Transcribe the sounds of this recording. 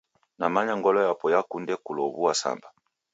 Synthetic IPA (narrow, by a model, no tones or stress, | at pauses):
namaɲaŋɡɔlɔjapɔjakundɛkulɔβuwasa̰mba